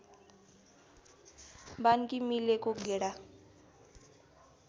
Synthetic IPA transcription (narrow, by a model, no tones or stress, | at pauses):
bankimilekoɡeɽa